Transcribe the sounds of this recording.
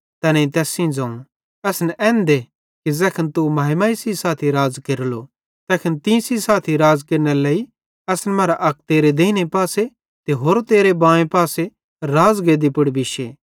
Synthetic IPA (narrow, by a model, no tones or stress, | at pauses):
t̪ɛnɛĩt̪ɛːsĩd͡zãːũ | ɛːsnɛɛ̃ːnd̪e | kizɛːkʰənt̪umɐːɦɪmaːisisaːt̪ʰiɾaːzkeɾlo | t̪ɛːkʰənt̪ĩsisaːt̪ʰiɾaːzkeɾnelei | ɐsnɛmɐːɾaʔɐk̚t̪eːɾed̪eːinepaːse | t̪eɦoːɾt̪eːɾebãːẽpaːse | ɾaːzɡed̪ipɐɽbɪʃe